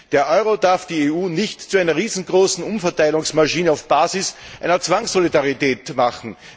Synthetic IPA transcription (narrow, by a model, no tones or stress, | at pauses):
d̥eːɐʔɔʏʁodaɐfd̥iːeːuːnɪçtt͡suæɪnɐʁiːzn̩ɡʁoːsn̩ʊmfɐtaɪlʊŋsmaʃiːnəaʊfb̥aːzɪs | ʔæ̰ɪnɐt͡sv̥aŋsolidaʁitɛːtmaχn̩